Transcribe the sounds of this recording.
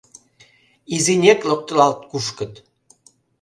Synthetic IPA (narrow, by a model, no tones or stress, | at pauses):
izinʲeklok̚t̪əlɑlt̪̚kuʃkə̆t̪